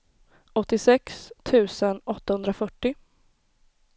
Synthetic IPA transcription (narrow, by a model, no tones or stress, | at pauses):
ɔt̪ːɪsɛkst̪ʰʉ̟ːsənɔt̪ːahɵnd̪ɾafœʈːɪ